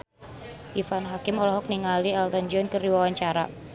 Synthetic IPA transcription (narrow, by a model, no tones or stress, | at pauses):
ʔifanɦakɪmɔlɔɦɔk̚niŋalialt̪ɔnd͡ʒɔnkəɾiwawaɲt͡ʃaɾa̰